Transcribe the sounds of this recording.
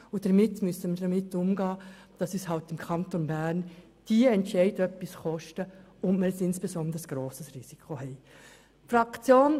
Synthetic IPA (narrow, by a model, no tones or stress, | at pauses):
ʊd̥əɾmɪtːmyəsəməɾd̥ɑmɪtːʊmɡɑː | d̥ɑsyshɑltɪmkʰɑntonbæɾn | d̥iəɛntʃɛɪdœpːisχɔʃtəʊnməɾəsɪnsb̥esɔndəsɡ̥ɾoːsəsrisikʰχoɦɛɪ | fɾɑkt͡sjoːn